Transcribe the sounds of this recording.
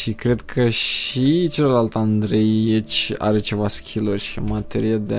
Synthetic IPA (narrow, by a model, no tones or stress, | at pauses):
ʃikɾe̞d̪kʰəʃit͡ʃeləlalt̪and̪ɾe̞jet͡ʃʲa̰ɾe̞t͡ʃe̞vaskʲʰilorʲʃimat̪e̞ɾiad̪e